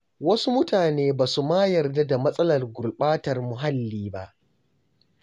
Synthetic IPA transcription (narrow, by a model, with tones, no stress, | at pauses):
wɐ˦su˦mʊ˦taː˨neː˦baː˨su˨maː˦jɐ˨rda˦da˨mɐ˦sʼɐ˦lɐ˨rɡʷʊ˨lɓaː˦tɐ˨rmʊ˨ɦa˦lːiː˦ba˦ʔ